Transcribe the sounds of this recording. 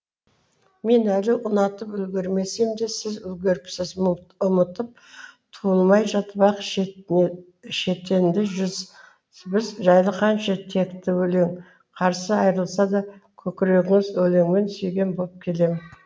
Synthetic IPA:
me̞nælɪʔʊnɑt̪əpʏlɡʲe̞ɾme̞se̞md̪e̞sɪzɵlɡʲe̞ɾpsɪzʊmət̪əp̚t̪ʰuəlˠmɑjʒɑt̪bɑqʃ | ʃe̞t̪e̞nd̪ɪʒʏz | bɪzʒɑjlˠəqʰɑnʃɑt̪ʰe̞kt̪ɪwɵle̞ŋ | qʰɑɾsəɑjɾəlˠsɑd̪ɑkʲʰɵkʲɪɾe̞ɡʲɪŋɪzɵle̞ŋme̞nsɵjɡʲe̞nbo̞lˠəp̚kʲʰe̞le̞mɪn

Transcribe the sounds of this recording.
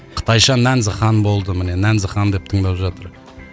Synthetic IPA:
qʰə̥t̪ʰɑjʃɑnænzəχɑnbo̞lˠd̪əmɪne̞nænzəχɑnd̪e̞p̚t̪ʰəɴd̪ɑpʒɑt̪əɾ

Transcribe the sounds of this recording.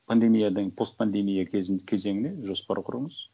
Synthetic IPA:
pʰɐnd̪e̞mʲijad̪əɴpʰo̞st̪̚pʰand̪e̞mʲijakʲʰe̞zɪnɪkʲʰe̞ze̞ŋɪne̞ʒo̞spɑɾqʰʊɾəɴəz̥

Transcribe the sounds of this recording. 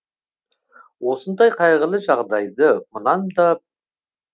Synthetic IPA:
wo̞sənd̪ɑjqʰɑjʁəlˠəʒɑʁd̪ɑjd̪əmənɑmd̪ɑ

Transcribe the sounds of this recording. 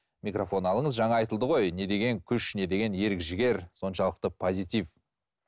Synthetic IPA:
mikrofo̞nɑlˠəɴəzʒɑɴɑɑjt̪əlˠd̪əʁo̞jne̞d̪e̞ɡʲe̞ŋkʲʰʏʃne̞d̪e̞ɡʲe̞nje̞ɾɪkʒɪɡʲe̞ɾso̞nʃɑlˠəq̚t̪əpʰo̞zʲijt̪iv

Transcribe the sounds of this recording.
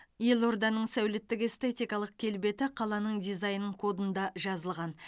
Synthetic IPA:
je̞lˠo̞ɾd̪ɑnəɴsæwlɪt̪ːɪke̞st̪e̞t̪ijkɑlˠəq̚kʲʰe̞lbe̞t̪ɪqʰɑlˠɑnəɴd̪ijzɑjənəɴkʰo̞d̪ənd̪ɑʒɑzəlˠʁɑn

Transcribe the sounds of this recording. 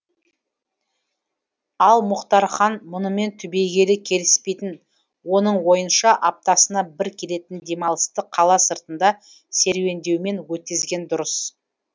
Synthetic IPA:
ɑlˠmʊqt̪ɑɾχɑnmʊnəme̞nt̪ʰʏbe̞jɡʲe̞lɪkʲʰe̞lɪspe̞jt̪ɪn | wo̞nəɴwo̞jənʃɑʔɑp̚t̪ɑsənɑbɪɾkʲʰe̞le̞t̪ɪnd̪e̞mɑlˠəst̪əqʰɑlˠɑsəɾt̪ənd̪ɑ | se̞ɾwe̞nd̪e̞wme̞nwɵt̪̚kʲɪzɡʲe̞nd̪ʊɾəs

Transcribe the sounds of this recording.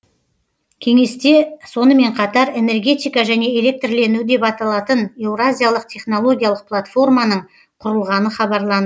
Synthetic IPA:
kʲʰe̞ŋe̞st̪e̞so̞nəme̞ɴqʰɑt̪ɑɾe̞ne̞rɡʲe̞t̪ʲijkɑʒæne̞elʲe̞k̚t̪rle̞nud̪e̞pɑt̪ɑlˠɑt̪əne̞wɾazʲijalˠəq̚t̪ʲʰe̞χno̞lˠo̞ɡʲijalˠəq̚plˠat̪fo̞rmɑnəɴ | qʰʊɾəlˠʁɑnəχɑbɑɾlˠɑnə

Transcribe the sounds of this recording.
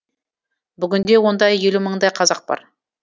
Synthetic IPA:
bʏɡʲʏnd̪e̞wo̞nd̪ɑjːe̞luməɴd̪ɑjqʰɑzɑq̚bɑ̰ɾ

